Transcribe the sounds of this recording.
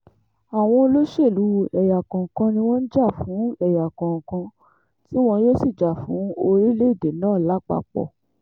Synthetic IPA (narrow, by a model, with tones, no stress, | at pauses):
a˨w̃ɔ̃˧lo˦ʃe˦˨lu˨˦ɛ˨ja˨kã˨kã˧nĩ˧w̃ɔ̃˦n̩˦d͡ʒa˦˨fũ˨˦ɛ˨ja˨kã˨kã˧ | ti˦w̃ɔ̃˧jo˦si˦˨d͡ʒa˨fũ˨˦o˧ɾi˦le˦i˦˨de˨nãː˦˨la˨˦k͡pa̰˧k͡pɔ̰˨